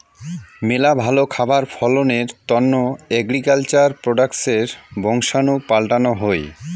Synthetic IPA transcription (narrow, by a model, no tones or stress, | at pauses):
melabʱalokʰabaɾfʰɔloneɾt̪ɔnːoɛɡɾikalt͡ɕaɾpɾoɖakseɾbɔŋʃanupalʈanoɦoj